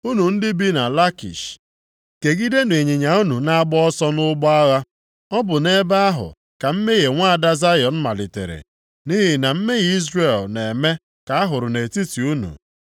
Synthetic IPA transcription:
u˦nu˨n̩˦dɪ˦bi˦na˨la˦kḭ˨ʃ | ke˨ɡi˦de˦ne˨ɲi˨ɲa˨u˦nu˨na˦a˦ɡ͡bɔ˦ɔ˦sɔ˦nʊ˦ɡ͡bɔ˦a˦ɣa˦ | ɔ˦bʊ˨ne˦ba˦a˦ɦʊ̰˨ | ka˨m̩˦me˦ɣe˨ŋʷa˦a˨da˦za˦jɔ˨n̩˦ma˨lɪ˨tḛ˨ɾḛ˨ | ni˦ɦɪ˨na˨m̩˦me˦ɣi˦zre˦˨lne˨me˦ | ka˨a˦ɦʊ˨ɾʊ˨ne˨ti˦ti˨u˦nṵ˨

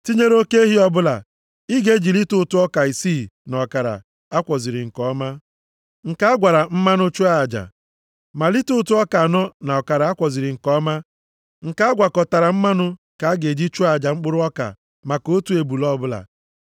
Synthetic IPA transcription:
ti˦ɲe˦ɾo˦ke˦e˦ɦi˦ɔ˦bʊ˦la̰˨ | i˦ɡe˦d͡ʒi˨li˦tʊ˦tʊ˦ɔ˦ka˨i˨siː˦˨nɔ˨ka˨ɾa̰˨ | a˦kʷɔ˨zi˨ɾɪ˨ŋ̩˨kɔ˦ma˦ | ŋ̩˨ka˦a˦ɡʷa˨ɾa˨m̩˦ma˦nʊ˦t͡ʃu˦a˦˨d͡ʒa̰˨ | ma˨li˦tʊ˦tʊ˦ɔ˦ka˨nɔ˦na˨ɔ˨ka˨ɾa˨a˦kʷɔ˨zi˨ɾɪ˨ŋ̩˨kɔ˦ma˦ | ŋ̩˨ka˦a˦ɡʷa˨kɔ˨ta˨ɾa˨m̩˦ma˦nʊ˦ | ka˨˦ɡe˨d͡ʒi˦t͡ʃu˦a˦˨d͡ʒa˨ŋ͡m̩˦k͡pʊ˦ɾʊ˦ɔ˦ka̰˨ | ma˨ko˦tu˨˦e˨bu˨lɔ˦bʊ˦la̰˨

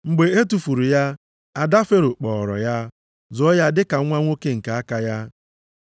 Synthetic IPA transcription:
ŋ͡m̩˨ɡ͡be˨e˦tu˨fu˨ɾu˨ja˦ | a˨da˦fe˦ɾʊ˨k͡pɔ˨ɾɔ̰˨ja˦ | zʊ˨ɔ˦ja˦dɪ˦ka˨˦ŋʷa˦ŋʷo˦ke˦ŋ̩˨ka˨a˦ka˦ja˦

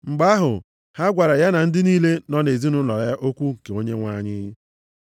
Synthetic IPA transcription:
ŋ͡m̩˨ɡ͡ba˦ɦʊ˨ | ha˦ɡʷa˨ɾa˨ja˦na˨n̩˦dɪ˦niː˦le˦nɔ˦ne˨zi˦nʊ˦lɔ˨ɾa˦ʔo˦kʷu˦ŋ̩˨ke˨o˦ɲe˦ŋʷa˦˨ɲɪ˦

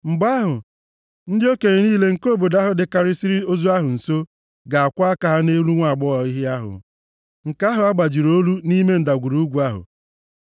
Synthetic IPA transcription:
m̩˨ɡ͡ba˦ɦʊ˨ | n̩˦dɪ˦o˦ke˨ɾe˨niː˦le˦ŋ̩˨ko˦˨bo˨da˦ɦʊ˨dɪ˨ka˨ɾɪ˦si˦ɾi˦o˦zu˦a˦ɦʊ˨n̩˨so˦ | ɡa˨a˨kʷa˦a˦ka˨ɦa˦ne˦lu˦ŋʷa˨ɡ͡bɔ˦ɔ˨i˦ɦɪ˦a˦ɦʊ̰˨ | ŋ̩˨ka˦ɦʊ˨a˦ɡ͡ba˨d͡ʒi˨ɾo˦lu˦ni˦me˦n̩˨da˨ɡʷu˨ɾu˨˦u˦ɡʷu˨a˦ɦʊ̰˨

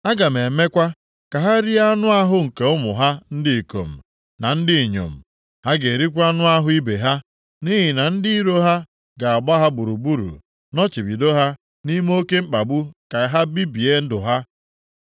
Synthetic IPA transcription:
a˦ɡa˨me˨me˦kʷa˦ | ka˨ɦa˦ɾi˦a˦nʊ˦a˦ɦʊ˦ŋ̩˨ke˨ʊ˦mʊ˨ɦa˦n̩˦dɪ˦i˨ko̰˨m̩˨ | na˨n̩˦dɪ˦i˨ɲo̰˨m̩˨ | ha˦ɡe˨ɾi˦kʷa˦nʊ˦a˦ɦʊ˦i˦be˨ɦa˦ | ni˦ɦɪ˨na˨n̩˦dɪ˦i˦ɾo˦ɦa˦ | ɡa˨a˨ɡ͡ba˦ɦa˦ɡ͡bu˨ɾu˨bu˦ɾṵ˨ | nɔ˦t͡ʃi˨bi˨do˦ɦa˦ | ni˦m˦o˦ke˦ŋ͡m̩˦k͡pa˨bu˦ka˨˦ɦa˦bi˦bi˨e˦n̩˦dʊ˨ɦa˦

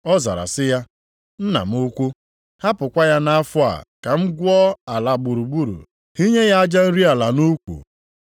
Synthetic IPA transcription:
ɔ˦za̰˨ɾa̰˨sɪ˦ja˦ | n̩˦na̰˨m̩˦ʊ˦kʷu˦ | ha˦pʊ˨kʷa˦ja˦na˦fʊ˦a̰˨ka˨m̩˦ɡʷʊ˦ɔ˦a˨la˨ɡ͡bu˨ɾu˨ɡ͡bu˦ɾṵ˨ | hi˦ɲe˦ja˦a˦d͡ʒa˦n̩˦ɾi˦a˨la˨nu˦kʷṵ˨

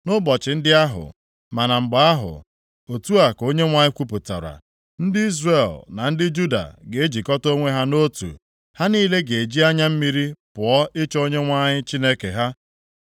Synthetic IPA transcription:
nʊ˦bɔ˨t͡ʃɪ˨n̩˦dɪ˦a˦ɦʊ̰˨ | ma˨na˨ŋ͡m̩˨ɡ͡ba˨a˦ɦʊ̰˨ | o˨tu˦a˨ko˦ɲe˦ŋʷa˦ɲɪ˦kʷu˦pu˨ta̰˨ɾa̰˨ | n̩˦dɪ˦i˦zre˦˨lna˨n̩˦dɪ˦d͡ʒu˦da̰˨ɡe˨e˦d͡ʒi˨kɔ˦to˦ŋʷe˦ɦa˦no˦tṵ˨ | ha˦niː˦le˦ɡe˨e˨d͡ʒi˦a˦ɲa˦m̩˦mi˦ɾi˦pʊ˨ɔ˦ʔɪ˦t͡ʃo˦ɲe˦ŋʷa˦ɲɪ˦t͡ʃi˦ne˦kḛ˨ɦa˦

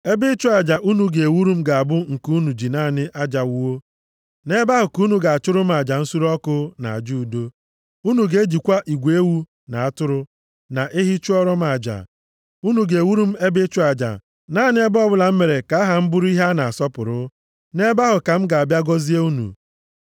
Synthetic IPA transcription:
e˦bɪ˦t͡ʃʊ˦a˨d͡ʒa˨ʔu˦nu˨ɡe˨e˨wu˦ɾu˦m̩˦ɡa˨a˨bʊ˦ŋ̩˨ku˦nu˨d͡ʒi˨naː˦˨nɪ˦ʔa˦d͡ʒa˨wwo˦ | ne˦ba˦ɦʊ˨ku˦nu˨ɡa˨a˨t͡ʃʊ˦ɾʊ˦m˦a˨d͡ʒa˨n̩˦su˦ɾɔ˦kʊ˦na̰˨a˨d͡ʒu˦˨do˦ | u˦nu˨ɡe˦d͡ʒi˨kʷa˦ʔi˨ɡʷe˦wu˦ | na˨a˦tʊ˦ɾʊ˦ | na˨ʔe˦ɦi˦t͡ʃu˦ɔ˦ɾɔ˦m˦a˨d͡ʒa̰˨ | u˦nu˨ɡe˨e˨wu˦ɾu˦m̩˦e˦bɪ˦t͡ʃʊ˦a˨d͡ʒa̰˨ | na˦˨nɪ˦e˦bɔ˦bʊ˦la˨m̩˦me˨ɾe˨ka˨˦a˦ɦa˨m̩˦bʊ˦ɾu˦i˦ɦa˦na˨a˨sɔ˦pʊ˨ɾʊ˦ | ne˦ba˦ɦʊ˨ka˨m̩˦ɡa˨a˨bja˦ɡɔ˦zi˦e˦u˦nṵ˨

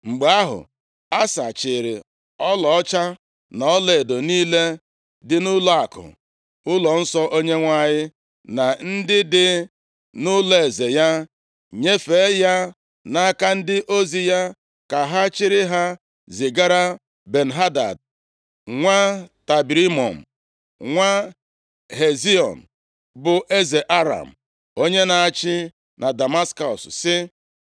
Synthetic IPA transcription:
ŋ͡m̩˨ɡ͡ba˦ɦʊ̰˨ | a˦sa̰˨t͡ʃɪ˨ɾɪ̰˨ | ɔ˦lɔ˨ɔ˦t͡ʃa˦ | nɔ˨ɔ˦le˨do˨niː˦le˦ | dɪ˦nʊ˦lɔ˦a˨kʊ̰˨ | ʊ˦lɔ˨n̩˦sɔ˦ʔo˦ɲe˦ŋʷa˦˨ɲɪ˦ | na˨n̩˦dɪ˦dɪ˦ | nʊ˦le˨ze˨ja˦ | ɲe˦fe˨˦ja˦ | na˦ka˦n̩˦dɪ˦ʔo˦zi˨ja˦ | ka˨ɦa˦t͡ʃɪ˦ɾɪ˦ɦa˦ | zi˨ɡa˦ɾa˦ | be˨n̩˨ɦa˦da̰˨d̚ | ŋʷa˦ta˨bi˨ɾi˦mɔ˨m̩˨ | ŋʷa˦ | ɦe˨zi˦ɔ̰˨n̩˨ | bʊ˨ʔe˦ze˨ʔa˦ɾa̰˨m̩˨ | o˦ɲe˦na˨a˨t͡ʃɪ˦ | na˨da˨ma˦skɔ˨ssɪ˦

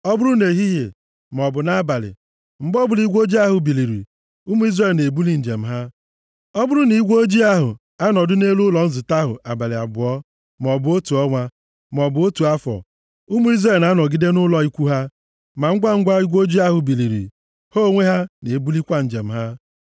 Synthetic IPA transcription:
ɔ˦bʊ˦ɾʊ˦ne˨ɦi˦je˨ | m˨ɔ˨bʊ˨na˦ba˨lɪ̰˨ | m̩˦bɔ˦bʊ˨li˦ɡʷo˦d͡ʒi˦a˦ɦʊ˨bi˨li˨ɾḭ˨ | u˦mu˦i˦zre˦˨lne˨bu˦li˦n̩˨d͡ʒe˨m̩˦ɦa˦ | ɔ˦bʊ˦ɾʊ˦ni˨˦ɡʷo˦d͡ʒi˦a˦ɦʊ̰˨ | a˦nɔ˨dʊ˦ne˦lu˦lɔ˨n̩˦zʊ˨ta˦ɦʊ̰˨ʔa˨ba˨lɪ˨a̰˨ɡ͡bʊ˨ɔ˦ | m˨ɔ˨bʊ˨o˦tu˨ɔ˦ŋʷa˦ | m˨ɔ˨bʊ˨o˦tu˨a˦fɔ̰˨ | u˦mu˦i˦zre˦˨lna˦nɔ˨ɡi˦de˦nʊ˦lɔ˦i˦kʷu˦ɦa˦ | ma˨ŋ̩˦ɡʷa˦ŋ̩˦ɡʷa˦i˦ɡʷo˦d͡ʒi˦a˦ɦʊ˨bi˨li˨ɾḭ˨ | ho˦˨ŋʷe˦ɦa˦ne˨bu˦li˦kʷa˦n̩˨d͡ʒe˨m̩˨ɦa˦

